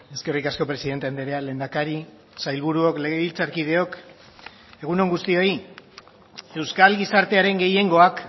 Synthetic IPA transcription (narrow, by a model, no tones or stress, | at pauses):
e̞ske̞rikasko̞pɾe̞siðe̞nt̪end̪eɾe̞ale̞ːnd̪akaɾi | sajlβuɾuo̞kleɣeβilt͡saɾkið̞e̞o̞k | e̞ɣ̞uno̞ŋɡust̪io̞i | e̞wskalɣisaɾt̪e̞aɾe̞ŋɡe̞je̞ŋɡo̞ak